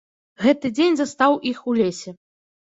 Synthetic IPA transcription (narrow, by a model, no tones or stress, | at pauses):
ɣɛt̪ɨd͡zʲenʲzast̪awʔixulʲesʲɛ